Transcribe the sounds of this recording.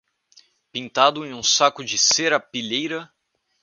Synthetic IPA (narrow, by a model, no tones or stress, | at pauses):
pĩnt̪ad̪ʊẽj̃ũsakʊd͡ʒɪseɾɐpiʎejɾɐ